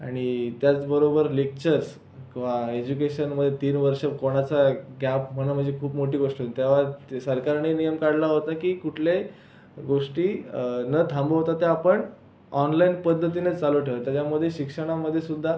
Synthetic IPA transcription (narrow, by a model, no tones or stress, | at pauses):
a̰ɽ̃it̪jat͡sbəɾobəɾlek̚t͡ɕəɾs | kĩw̃ʋaed͡ʑukeɕənməd̪ʱjet̪iːnʋəɾʂəkoɽ̃at͡saɡap̚m̤ənm̤əɳd͡ʑekʰuːpmoʈiːɡoʂʈint̪jaʋasəɾkaɾninijəmkaɽlaɦot̪akiːkuʈʰle | ɡoʂʈiːnət̪ʰãmbəɦot̪at̪eapəɳ | ɔnlainpəd̪ʱːət̪̬inet͡saluʈʰeʋət̪jat͡ɕaməd̪ʱːjeɕikʂəɽ̃aməd̪ʱːjesud̪ʱːa